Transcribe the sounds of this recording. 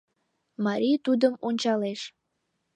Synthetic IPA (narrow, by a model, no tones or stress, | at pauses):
mɑɾʲit̪ud̪əmonʲt͡ɕɑleʃ